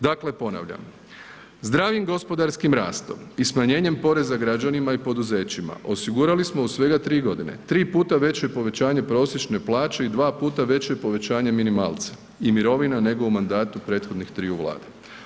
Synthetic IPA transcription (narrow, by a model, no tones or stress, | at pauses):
d̪akle̞po̞na̰ʋʎa̰m | zd̪ɾaːʋjimɡo̞spo̞d̪aɾskimɾa̰ːst̪o̞̰mismaɲe̞ːɲe̞mpo̞ɾe̞zaɡɾad͡ʑanimaipo̞d̪uze̞ːt͡ɕima̰ʔo̞siɡuɾalismo̞usʋe̞ɡat̪ɾiːɡo̞d̪ine̞̰t̪ɾiːpuːt̪aʋe̞t͡ɕepo̞ʋe̞t͡ɕaːɲe̞pɾo̞ːsjet͡ʃne̞plˠaːt͡ɕe̞id̪ʋaːpuːt̪aʋe̞t͡ɕepo̞ʋet͡ɕaːɲeminimaːlˠt̪sḁ | imiɾo̞ʋinane̞ɡo̞umand̪aːt̪upɾe̞ːt̪xo̞d̪nixt̪ɾiːuʋlˠa̰ːd̪e